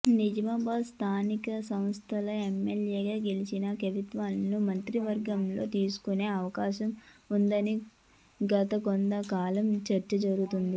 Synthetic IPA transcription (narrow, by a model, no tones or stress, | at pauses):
nid͡ʒɐmɐbaːst̪ʰaːnikɐsɐm̃st̪ʰɐlɐemːeljeːɡaːɡe̞lit͡ʃinɐkɐʋit̪ʋaːlɐnumɐnt̪ɾiʋɐɾɡɐmlo̞̰ːt̪iːsu̥kune̞ːɐʋɐkaːʃɐmund̪ɐni | ɡɐt̪ɐkond̪ɐkaːlɐmt͡ʃɐɾt͡ʃɐd͡ʒɐɾuɡut̪und̪i